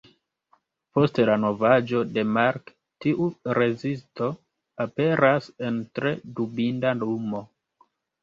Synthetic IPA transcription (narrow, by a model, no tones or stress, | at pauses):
po̞stelano̞vad͡ʒo̞de̞maɾk | tiʔuɾe̞zisto̞ | ape̞ɾase̞ntɾe̞dubindanumo̞